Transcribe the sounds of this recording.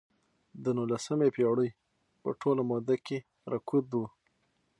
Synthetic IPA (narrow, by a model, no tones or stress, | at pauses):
d̪ənulasəmepeɽəj | pə̰ʈʰolamɔd̪ake | ɾakud̪wu